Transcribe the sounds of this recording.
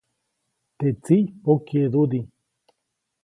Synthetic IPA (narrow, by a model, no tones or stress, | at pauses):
t̪et͡siokeðud̪i